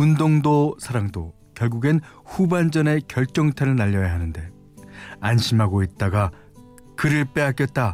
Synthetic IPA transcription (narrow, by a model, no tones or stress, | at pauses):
undoŋdosʰaɾaŋdo | kjʌɭɡuɡen | ɸuband͡ʑʌne̞kjʌɭt͡ɕ͈ʌŋtʰeɾɯɭnaʎːʌjaɦanɯnde̞ | anɕʰimɦaɡoit̚t͈aɡa | kɯɾɯɭp͈e̞ak͈jʌt̚t͈a